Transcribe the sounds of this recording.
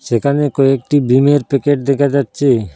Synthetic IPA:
ʃekʰanekoek̚ʈibimeɾpekeʈ̚d̪ɛkʰad͡ʑatːɕʰe

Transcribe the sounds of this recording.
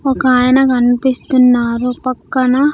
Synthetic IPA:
ɔkaːjɐnɐkɐnpist̪unːaːɾupɐkːɐnɐ

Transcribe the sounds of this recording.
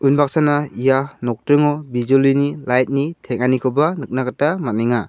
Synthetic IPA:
unbak̚sanaijanɔk̚tɾɯŋɔbizulinilajt̚nitʰeŋ̚anikʰɯbanɯk̚naɡatamaniŋa

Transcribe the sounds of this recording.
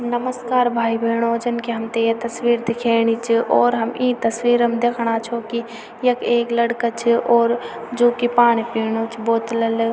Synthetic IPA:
ɦɐmnəməskaːɾbʱaːibʱeːɽ̃oːd͡ʒənkiɦəmt̪ejet̪ɐswiːɾd̪ɪkʰeːɽ̃it͡ʃʰiʔɔːɾɦəmĩːt̪əswiːɾmed̪ekʰɽ̃at͡ʃʰoki | jɐkeːkləɽkat͡ʃʰiʔɔːɾd͡ʒoːkipaːñipiːɽ̃ot͡ʃʰiboːt̪ləl

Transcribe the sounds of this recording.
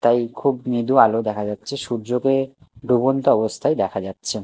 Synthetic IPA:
t̪ajkʰubnid̪ualod̪ɛkʰad͡ʑatːɕʰeʃuɾd͡ʑoke | b̪ubont̪oɔbost̪ʰajd̪ɛkʰad͡ʑatːɕʰe

